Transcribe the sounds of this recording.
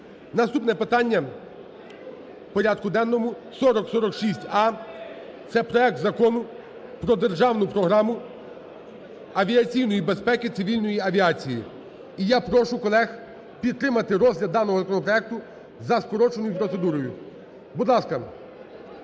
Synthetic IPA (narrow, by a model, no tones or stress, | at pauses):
nɐst̪upnɛpɪt̪ɑnʲːɐ | pɔɾʲad̪̚kʊd̪ɛnːɔmʊ | sɔɾɔksɔɾɔkʃisʲtʲɑ | t̪sɛpɾɔɛk̚t̪zɐkɔnʊ | pɾɔd̪e̞rʒɑwnʊpɾɔɦɾɑmʊ | ɐʋʲiɐt͡sʲijnɔjibe̞spɛkɪt̪sɪʋʲilʲnɔjiɐʋʲiɑt͡sʲiji | ijapɾɔʃʊkɔlˠɛx | pʲid̪̚t̪ɾɪmɐt̪ɪɾɔzʲɦlʲɐd̪ːɑnɔɦɔzɐkɔnɔpɾɔɛk̚t̪ʊ | zɐskɔɾɔt͡ʃenʊjʊpɾɔt̪sed̪uɾɔjʊ | bud̪lˠɑskɐ